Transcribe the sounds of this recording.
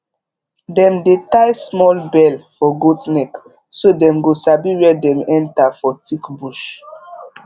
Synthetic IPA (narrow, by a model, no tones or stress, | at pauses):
dɛ̃mdetajsmɔlbɛlfɔɡodnɛk | sodɛ̃mɡosabiwɛdɛ̃mɛ̃ntafɔtʰikbuʃ